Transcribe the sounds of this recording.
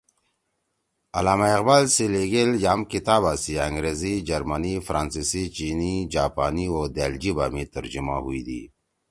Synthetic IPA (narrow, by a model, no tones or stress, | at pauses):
ɐlaːmaiqbaːlsileɡeljaːmkit̪aːbaːsiaŋɡɾezid͡ʒɐɾmanifɾaːnsisit͡ʃiːnid͡ʑaːpaːniod̪eld͡ʑiba̰ːmit̪əɾd͡ʑima̰huid̪ḭ